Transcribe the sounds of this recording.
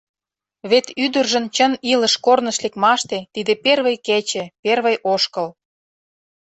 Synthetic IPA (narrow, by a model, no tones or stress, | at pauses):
βet̪yd̪ərʒə̆nt͡ɕənilə̆ʃkornəʃlekmɑʃt̪et̪id̪eperβəjket͡ɕĕperβəjʔoʃkə̆l